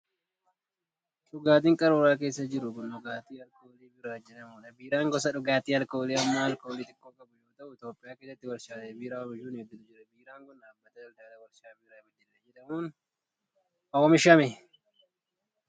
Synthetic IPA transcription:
ᶑʊɡaːt̪iːŋkʼɐɾoːɾaːke̞ːsːɐd͡ʒɪɾʊɡʊnʊɡaːt̪iːɐlkoːliːbɪɾaːd͡ʒɛᶑɐmuːᶑɐbiːɾaːŋɡɔsɐᶑʊɡaːt̪iːɐlkoːliːɐmːaːɐlkoːliːt̪ʼɪkːoːkʼɐbʊjoːt̪ɐʔʊɪt̪oːpʼːɪjaːkeːsːɐt̪ːɪwɐɾʃaːebiːɾaːwɐbɪd͡ʒuːnɛd̪ːɪᶑ̪ʊd͡ʒɪɾɐbiːɾaːŋɡɔnaːbːɐt̪ɐɐld̪aːlɐwɐɾʃaːbiːɾaːbɪd̪ːɪᶑd͡ʒɛᶑɐmuːn | ʔɔwɔmɪʃɐmɛ

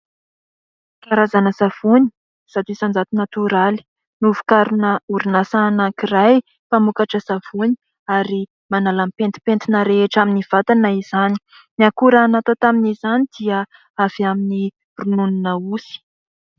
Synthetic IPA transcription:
kaɾazanəsav̥uni̥ | sat̪isand͡zat̪unat̪uɾali̥ | nuvu̥kaɾunəuɾinasanakiraj | pamukaʈ͡ʂəsav̥uni̥ | aɾi | manalampent̪i̥pent̪inəɾeeʈ͡ʂaminiv̥at̪anaiz̥ani̥ | niakuɾanat̪ot̪aminizanid̪̥iə | av̥iamini | runununəusi̥

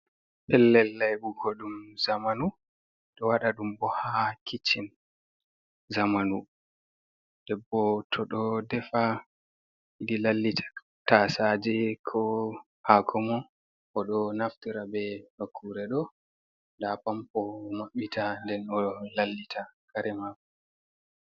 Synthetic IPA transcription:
pɛlːɛlːajbukʰɔɗumzamanu | ɗɔwaɗaɗumbɔhakʰit͡ʃːin | zamanu | d̥ɛbːɔtʰɔɗɔdɛfa | ʔidilalːitʰḁ | tasad͡ʒɛkʰɔ | hakʰɔmɔ | ʔɔɗɔnaftiɾabɛhakʰːuɾɛɗɔ | ndapampɔmaɓːitʰandɛnɔlalːitʰakaɾɛmakɔ

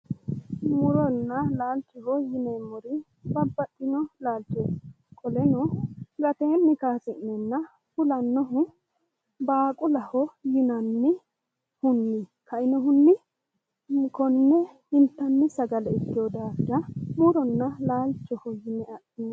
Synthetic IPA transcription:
mʊɾɔnːɐlaːlt͡ʃːɔhɔjɪnɛmɔɾɪ | bɐbːɐtʼːɪnɔlaːlt͡ʃːɔ | kʼɔlɛnɔɡɐt̪eːnːɪkaːsɪnɛnːɐ | fʊlɐnːɔɦʊ | baːkʼʊlɐhɔjɪnɐnːɪ | hʊnːɪkʰɐʔɪnɔɦʊnːɪ | kɔnːɛ | ɪnt̪ːɐnːɪsɐɡɐlɛɪkːɪjod̪aːd̪ɐmʊɾɔnːɐlaːlt͡ʃːɔhɔjɪnɛɐʔɪn

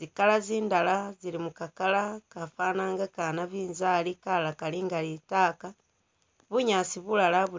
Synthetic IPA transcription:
zikalaziːndalazilimukakalakafaːnaːŋɡakanaβiːnzaːlikalakaliŋɡalitaːka | βuɲaːsiβulalaβu

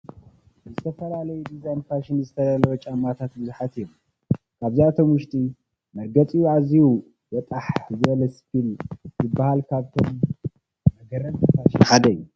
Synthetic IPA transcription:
zɨt̪ʰɐfɐlalɐjud̪izajnfaʃɪnzɨt̪ʰɐd̪alɐwot͡ʃʼamːat̪ʰat̪̚bɨzuħat̪ɨjːom | kʰaβziat̪ʰo̞mwʊʃt̪ʼi | mɐɾɡɐt͡sʼijuaziwu | wɐt̪ʼaħzɨʔlɐspilzɨbːahalkʰaβt̪ʰom | mɐɡɐɾɐnfaʃnħad̪ɐjːu

